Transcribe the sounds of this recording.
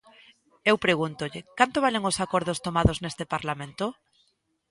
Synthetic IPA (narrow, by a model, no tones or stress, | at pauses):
ewpɾeɣunt̪ʊʎɪkant̪oβaleŋʊsakoɾðʊst̪omaðʊznest̪epaɾlamẽnt̪ʊ